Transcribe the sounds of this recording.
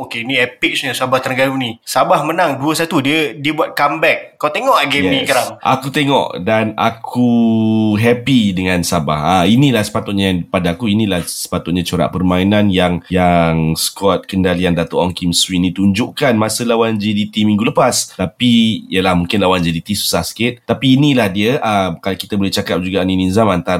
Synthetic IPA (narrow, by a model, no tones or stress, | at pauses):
okeinĩɛpik̚sɲəsuabaht̪əɾnəɡaɾunĩsabahmənaŋduəsat̪udiədiəbuat̪̚kambɛk̚ːawt̪eŋɔʔəɡɛɛnikaɾaŋa̰kut̪eŋɔ̰ʔdana̰kʰu | ɦɛpidəŋãnsaba̰hainĩlahsə̥pat̪ʊt̪̚ɲapadaːkuinĩlahsə̥pat̪ʊt̪̚ɲãt͡ʃoɾa̰ʔpərmainanjaŋjaŋsə̥kɔt̪̚kəndaliandat̪oʔɔŋkimswinĩt̪uɲd͡ʒuʔkanmasəlawand͡ʒidit̪imĩŋɡuləpast̪apiḭəlahmũŋkɪnlawand͡ʒidit̪isu̥sahsə̥kɪt̪̚t̪apiːnilahdiəʔəkalaki̥t̪abolɛht͡ʃakap̚d͡ʒuɡanininzamant̪a